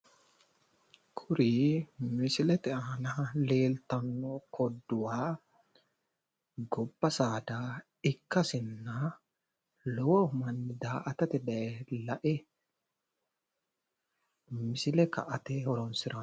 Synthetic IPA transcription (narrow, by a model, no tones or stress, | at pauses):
kʰʊɾiːmɪsɪlɛt̪ɛaːnaleːlt̪ɐnːokʰɔd̪ːʊwaː | ɡɔbːɐsaːd̪aː | ɪkːɐsɪnːa | lɔwɔʊmɐnːɪd̪aːʔɐt̪ɐt̪ɛd̪ɐɛlɐʔɛ | mɪsɪlɛkɐ̰ʔɐt̪eːhɔɾɔnsɪɾɐ